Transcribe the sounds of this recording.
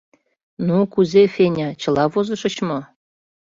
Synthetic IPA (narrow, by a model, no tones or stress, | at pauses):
nukuzefenʲɑt͡ɕɤ̆lɑβozɤ̆ʃə̆t͡ɕmo